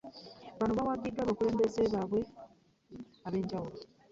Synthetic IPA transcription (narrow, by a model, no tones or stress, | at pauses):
βanoβawaɡidːwaːβakule̞ːmbezeβaβwe̞ | aβe̞ːɲɟawulo